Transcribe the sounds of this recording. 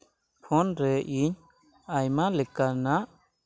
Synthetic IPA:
pʰɔnɾɛʔiɲ | ajmalɛkana

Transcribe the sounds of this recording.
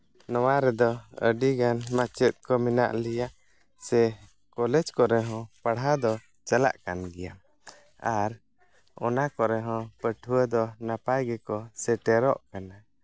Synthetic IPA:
nɔwaɾɛd̪ɔə̰ɖiɡanmat͡ʃɛt̪̚ˀkɔmina̰ʔlijaʔ | sɛ | kɔlɛd͡ʒkɔɾɛɦɔ̃paɽɦad̪ɔ | t͡ʃala̰ʔkanɡɛjam | aɾ | ɔ̰nakɔɾɛɦɔ̃pəʈʰuəd̪ɔnapajɡɛkɔsɛʈɛɾɔʔkana

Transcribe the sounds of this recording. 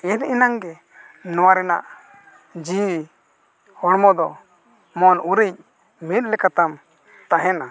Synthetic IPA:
ɛninaŋɡɛ | nɔwaɾɛna̰ʔ | d͡ʒi | hɔɽmɔd̪ɔ | mɔnuɾic̚ | mit̪̚ˀlɛkat̪am | t̪aɦɛna

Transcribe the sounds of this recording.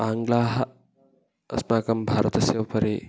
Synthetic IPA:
aːŋɡlaːɦɐ | ɐ̰smaːkɐmbʱaːɾɐt̪ɐsjɐʋpɐɾiː

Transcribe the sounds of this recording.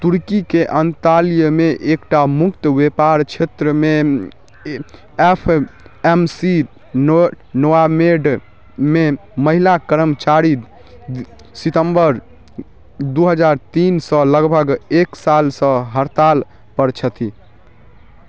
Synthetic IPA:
t̪uɾkikeʔənt̪alijəmeʔekʈamukt̪əbepaɾt͡ʃʰet̪ɾəme | epʰemsi | noameɖ | meməɦilakəɾəmt͡ʃaɾi | sit̪əmbəɾ | d̪uɦəd͡ʒaɾt̪insə̃ləɡbʱəɡeksalsə̃ɦəɾt̪al | pəɾt͡ʃʰət̪ʰi

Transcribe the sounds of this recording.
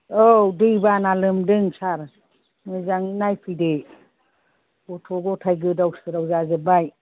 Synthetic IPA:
odɯjbanalɯmdɯŋsaɾ | mɯzaŋinajpʰide | ɔtʰɔɡɔtʰajɡɯdawsɯɾawzazɯbaj

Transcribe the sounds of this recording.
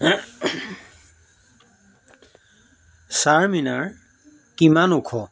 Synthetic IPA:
saɹminaɹ | kimanukʰɔ

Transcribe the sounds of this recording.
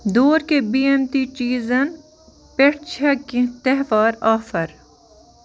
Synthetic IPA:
d̪oːɾkebiːemt̪it͡ʃiːzɐn | peʈt͡ʃʰɐkĩt̪ɛɦʋaːɾaːfɐɾ

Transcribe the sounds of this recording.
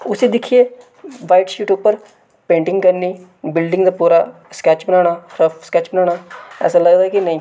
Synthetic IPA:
ʊsiːd̪ɪkʰːieː | ʋaːiʈʃuːʈʊpːəɾ | pẽːɳʈɪ̃ŋɡkəɾniː | bɪlɖɪŋɡd̪aːpuːɾa̰ːskɛːt͡ʃbənaːɽ̃aːɾəfskɛːt͡ʃbənaːɽ̃aːɛ̰ːsaːləɡd̪aːɛkɪnəĩː

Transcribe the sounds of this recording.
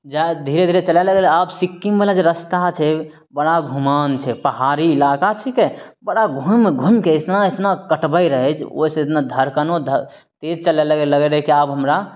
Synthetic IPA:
d͡ʒad̪ʱiɾed̪ʱiɾet͡ʃəlaɛləɡelabsikːimbelad͡ʒeɾəst̪at͡ʃʰɛ | bəɽaɡʱumant͡ʃʰɛpəɦaɾiːlakat͡ʃʰikɛbəɽaɡʱumɡʱumkeɪsnaesnakəʈbəjɾəɦɛt͡ʃʰo̰isə̃et̪nad̪ʱəɾkanod̪ʱə | t̪ed͡ʒt͡ʃəlaləɡeləɡɛɾɛkiabɦəmɾa

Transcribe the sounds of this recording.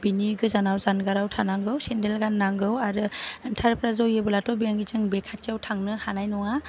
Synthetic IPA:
biniɡɯzanawzanɡaɾawtʰanaŋɡɯwsendelɡanːaŋɡɯwaɾɯntʰaɾpʰɾazɔwjɯbɯlatɔbiaŋɡizɯŋbekʰatiawtʰaŋnɯhanajnɔŋa

